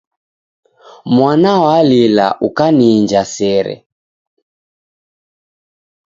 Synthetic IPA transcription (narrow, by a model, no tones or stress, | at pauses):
mwanawalila̰ʔukaniːnd͡ʒasɛɾɛ̰